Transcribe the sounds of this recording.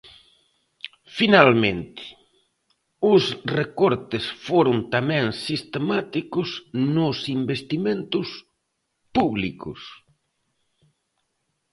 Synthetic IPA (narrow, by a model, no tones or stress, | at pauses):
finalmẽnt̪ɪ̥ | ʊsrekɔɾt̪ɪsfoɾʊnt̪amɛ̃ŋsist̪emat̪ikʊsnʊsimbest̪imẽnt̪ʊs | puβlikʊ̰s